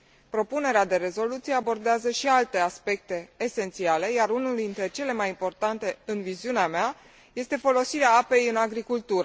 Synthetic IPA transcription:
pɾo̞pune̞ɾead̪e̞ɾe̞zo̞lut̪sijeabo̞rd̪eazəʃialt̪e̞aspe̞k̚t̪e̞ːse̞nt̪siale̞jaɾunuld̪int̪ɾe̞t͡ʃe̞le̞majimpo̞rt̪ant̪e̞ɨnviziuneamea | je̞st̪e̞fo̞lo̞siɾeaape̞jɨnaɡɾikult̪uɾə

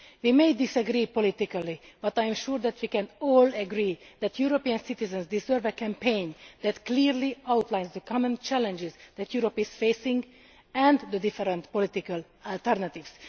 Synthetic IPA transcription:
ʋiːmejd̪isəɡɾiːpolit̪ikəlib̥ʌt̪aj̃mʃuɾd̪ɛt̪ʋikɛ̃nɔːlɛɡɾiːd̪ɛt̪ʰjuɾopiə̃nsit̪izɛ̃nzd̪izɛɾvɛkɛ̃mpẽjnd̪ɛt̪kliɾliawt̪lãjnzd̪əkʰɑmə̃nt͡ʃɛlɛ̃nd͡ʒɪzd̪ɛt̪juɾopiz̥feːsĩŋɡ | ɛ̃nd̪d̪əd̪ifɛɾɛ̃nt̪polit̪ikəl | alt̪ɛɾnat̪ivs

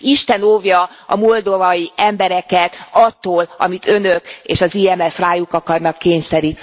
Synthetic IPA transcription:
iʃt̪ɛnoːvjɒ | ɒ̰mold̪ovɒjiɛmbɛɾɛkɛt̪ɒt̪ːoːlɒ̰mit̪ʰønøkḛːʃɒziːɛmɛfraːjukɒkɒrnɒkːeːɲsɛɾiːt̪n

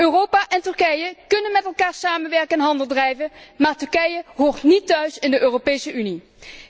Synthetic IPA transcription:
øːrowpaːʔɛntɵɹkɛjəkɵnənmɛtɛlˠkaːɹsaːmənʋɛɹkəɛnɦɑndəlˠdrɛjvənmaːɹtɵɹkɛjəɦoːɹtnitːœɥsɪndəʔøːropejsəʔyni

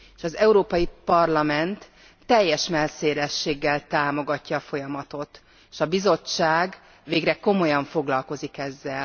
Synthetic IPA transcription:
eʃɒzɛuɾoːpɒjipɒrlɒmɛnt̪ː | ɛjːɛʃmɛlseːlɛʃːeːɡːɛlt̪aːmo̞ɡɒcːɒːfo̞jɒmɒt̪o̞t̪ | eʃɒbizo̞t͡ʃːaːɡ | ʋeːɡrɛko̞mo̞jɒɱfo̞ɡlɒlko̞zikɛzːɛl

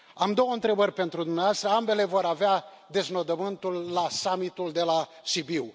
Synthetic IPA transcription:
amd̪o̞wəɨnt̪ɾe̞bərʲpe̞nt̪ɾud̪umneaoast̪ɾəambe̞le̞vo̞ɾavea | d̪e̞zno̞d̪əmɨnt̪ulːasamit̪uld̪e̞laʃibiw

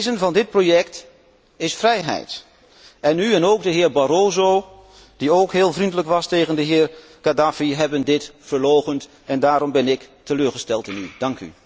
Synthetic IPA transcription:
zənvɑndɪt̚projɛkt | ɪsfrɛjɦɛ̰jt | ɛnyɛnoːk̚dəɦɪːɹbaɾoːzo | d̥ioːkɦɪːlˠvrindələkʋɑstejɣəndəɦɪːɹ | kadafiɦɛbəndɪtfəɹloːɣənt | ɛndaːɾɔmbɪnɪktəløːɹχəstɛlˠtɪny̰d̥ɑŋky̰

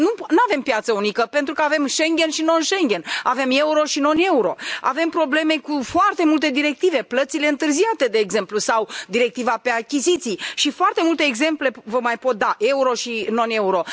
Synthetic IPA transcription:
nunuave̞mpjat̪səunikəpe̞nt̪ɾukəave̞mʃe̞ŋɡʲe̞nʃino̞nʃe̞ŋɡʲe̞naveme̞uɾo̞ʃino̞ne̞uɾo̞a̰ve̞mpɾo̞ble̞me̞kufoart̪e̞mult̪e̞d̪iɾe̞k̚t̪ive̞plət̪sile̞ɨnt̪ɨrziat̪e̞d̪e̞ːɡze̞mplusawd̪iɾe̞k̚t̪ivape̞akʲizit̪sijʃifoart̪e̞mult̪e̞ːɡze̞mple̞vəmajpo̞t̪̚d̪aʔe̞uɾo̞ʃino̞ne̞uɾo̞

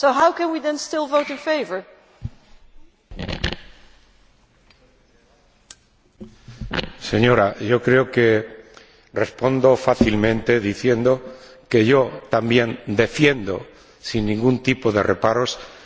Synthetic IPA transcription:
soʊɦawkɛ̃nwiðɛ̃nstɪlˠvoʊɾɪ̃nfeɪvə˞ | se̞ɲo̞ɾaʝo̞kɾe̞oke̞ | respo̞nd̪o̞faθilmẽnt̪e̞ðiθje̞nd̪o̞ke̞ʝo̞t̪ambjẽ̞nd̪e̞fje̞nd̪o̰ | sinːĩŋɡunt̪ipo̞ðe̞̰repaɾo̞s

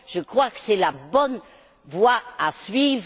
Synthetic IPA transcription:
ʒ̥əkχwakə̥sɛlabɔn | vwaasɥivʁ

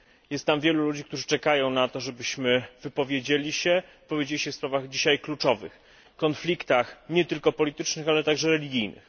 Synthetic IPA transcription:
jɛst̪t̪ːamvʲjɛlulud͡ʑikt̪uʐɘt͡ʂɛkajɔ̃w̃nat̪ɔʐɛbɘɕmɘvɘpɔvʲjed͡ʑelʲiɕɛvɨpɔvʲjed͡ʑelʲiɕɛfspɾavaɣd͡ʑiɕajklut͡ʂɔvɘ̰x | kɔnflʲikt̪axɲɛt̪ɘlkɔpɔlʲit̪ɘt͡ʂnɘxalɛt̪aɡʐɛɾɛlʲiɡʲijnɘ̰x

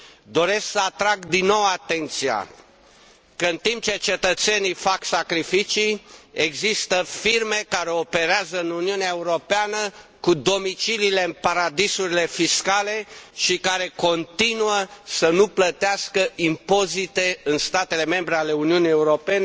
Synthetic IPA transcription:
d̪o̞ɾe̞sksəat̪ɾaɡd̪inːo̞wat̪e̞nt̪sia̰ | kəɨnt̪imp̚t͡ʃe̞t͡ʃe̞t̪ət̪se̞nijfaksakɾifit͡ʃieɡzist̪əfirme̞kaɾe̞ope̞ɾeazəɨnuniuneaeuɾo̞peanəkud̪o̞mit͡ʃilile̞ɨnpaɾad̪isuɾile̞fiskale̞ʃikaɾe̞ko̞nt̪inuəsənuplət̪easkəʔimpo̞zit̪e̞ɨnst̪at̪e̞le̞me̞mbɾeale̞uniunie̞uɾo̞pe̞ne

